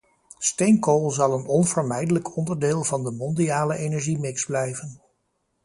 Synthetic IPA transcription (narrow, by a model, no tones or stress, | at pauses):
stejŋkolˠzɑlˠənɔnv̥əɹmɛjdələkɔndəɹdɪːlˠvɑndəmɔndiaːləʔejnɛɹʒimɪkzblɛjvən